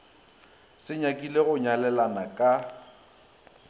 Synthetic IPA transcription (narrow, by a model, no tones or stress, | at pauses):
sɪɲakʼileɣʊɲalɛlanakʼa